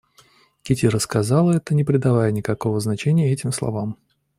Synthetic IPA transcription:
kʲɪtʲiɾəskɐzalˠəɛt̪ənʲɪpɾʲɪd̪ɐvajənʲɪkɐko̞vəznɐt͡ɕenʲɪjəɛtʲɪmslˠɐ̰vam

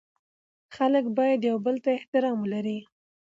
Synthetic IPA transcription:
xaləkbɑjad̪jawbəlt̪aɪht̪ɪɾɑmwəlaɾi

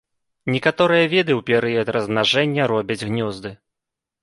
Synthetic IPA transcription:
nʲɛkat̪ɔɾɨjɐvʲɛd̪ɨwpʲɛɾɨjɐt̪rɐznaʐɛnʲːɐɾɔbʲɐd͡zʲɣnʲɔzd̪ɨ

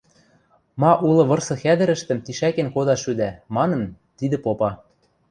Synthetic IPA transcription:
mɑʔulɤ̆βɤ̆rsɤ̆xæd̪ɘ̆ɾɘ̆ʃt̪ɘ̆mt̪iʃækenkod̪ɑʃyd̪æmɑnɤ̆n | t̪id̪ɘ̆popɑ

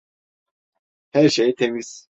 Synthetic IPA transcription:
hæɾʃejt̪ʰemis

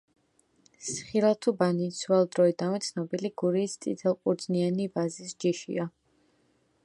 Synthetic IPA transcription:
sχilat̪ʰubanit̪svɛlˠd̪ɾɔid̪anmit̪sʰnɔbiliɡuɾiːst̪ʼḭt̪ʰɛlˠqʼuɾd̪znianibazisd͡ʒiʃḭa

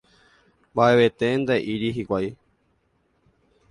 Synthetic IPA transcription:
mbaʔeβe̞t̪end̪eʔiɾiɦikʷaj

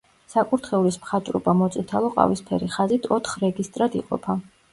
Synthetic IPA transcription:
sakʼuɾt̪ʰχɛulismχat͡ʃ̪ʼɾɔ̰bamɔt̪sʼit̪ʰalˠɔqʼa̰vispʰɛɾiχazit̪ʰɔt̪ʰχɾɛɡist̪ʼɾad̪iqʼɔ̰pʰa

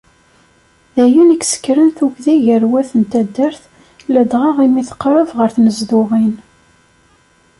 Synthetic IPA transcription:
ðæjuniksə̥kːɾənθuʝðiʝəɾwæθənt̪æd̪ːəɾθ | ləd̪ʁɑʁimiθqːɾˤəvʁəɾθnəzðʊʁin

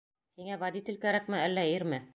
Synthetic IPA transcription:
hiŋævad̪it̪ʲɘ̆lkæɾækmɘælːæiɾmɘ

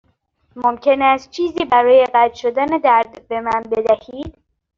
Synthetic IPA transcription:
momcʰe̞næst̪̚t͡ʃʰiːziːbæɾɒːje̞ɢæd̪ʃod̪æned̪æɾd̪be̞mænbe̞d̪æhiːd̪̥

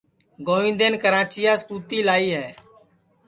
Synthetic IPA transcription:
ɡoːʋɪ̃ːd̪eːnkəɾãːt͡ʃɪjaːskuːt̪iːlaːiːɦɛː

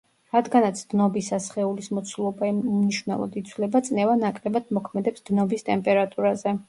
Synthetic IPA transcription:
ɾad̪ɡanat̪sʰd̪̥nɔbisasχɛulismɔt̪sʰulˠɔbamniʃvnɛ̰lˠɔ̰d̪it̪sʰwlɛbat̪sʼnɛvanakʼɾɛbad̪mɔkʰmɛd̪ɛpsd̪nɔbist̪ʼɛmpʼɛɾat̪ʼuɾazɛ

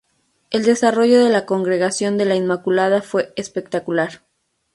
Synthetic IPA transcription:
e̞ld̪e̞saro̞ʝo̞ðe̞lako̞ŋɡɾe̞ɣasjo̞nd̪e̞lainmakulaðafwe̞espe̞k̚t̪akulaɾ

